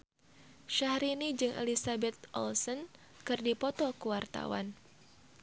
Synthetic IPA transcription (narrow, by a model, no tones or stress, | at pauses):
ʃahɾinid͡ʒɨŋʔḛlisabɛt̪̚ʔɔ̰lsɔn | kɨrdipɔt̪ɔkuwart̪a̰wa̰n